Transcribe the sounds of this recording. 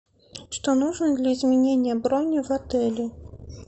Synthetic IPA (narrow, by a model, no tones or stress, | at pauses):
ʂt̪ɔnuʐnɨd̪lʲɐizʲmʲɛnʲenʲːɐbɾɔnʲːivat̪ɛlʲi